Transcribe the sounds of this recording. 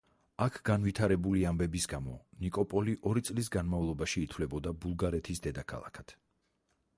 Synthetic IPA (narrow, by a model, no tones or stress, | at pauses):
akʰɡ̥anvit̪ʰaɾɛbuliambɛbisɡamɔnikʼɔpʼɔliʔɔɾit̪sʼlisɡanmavlˠɔbaʃiːt̪ʰvlɛbɔd̪abulˠɡaɾɛt̪ʰisd̪ɛd̪akʰa̰lˠa̰kʰat̪ʰ